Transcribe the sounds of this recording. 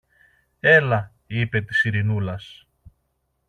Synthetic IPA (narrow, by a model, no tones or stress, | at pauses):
e̞lɐ | ipe̞t̪i̥siɾinulɐs